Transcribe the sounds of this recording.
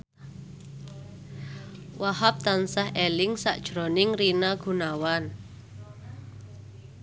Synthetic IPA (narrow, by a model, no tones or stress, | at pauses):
wahap̚t̪ansahʔɛlɪŋsa̰ʔd̥ʒ̥ɾonɪŋrinaɡ̥ṳnawan